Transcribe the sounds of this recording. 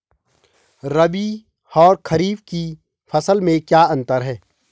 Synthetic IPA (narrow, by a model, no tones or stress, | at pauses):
ɾɐbi | ɔːɾkʰɐɾiːbki | fɐsəlmẽkjaːɐ̃nt̪əɾɦɛː